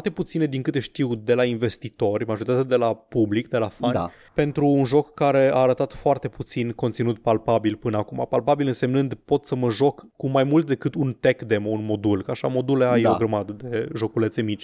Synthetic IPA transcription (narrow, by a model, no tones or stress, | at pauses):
rt̪e̞put̪sined̪iŋkɨt̪e̞ʃt̪iwd̪e̞lainve̞st̪it̪o̞rʲmaʒo̞ɾit̪at̪ead̪e̞lapublikd̪e̞lafanʲ | pe̞nt̪ɾuːnʒo̞kːaɾe̞a̰ːɾət̪at̪foart̪e̞put̪sinko̞nt̪sinut̪palpabilpɨnəakuma̰palpabilɨnse̞mnɨnd̪pot̪səməʒo̞kːumajmult̪̚d̪e̞kɨt̪unt̪e̞kd̪e̞mounmo̞d̪ulkəaʃa̰mo̞d̪uleajeoɡɾəmad̪əd̪e̞ʒo̞kule̞t̪se̞mit͡ʃʲ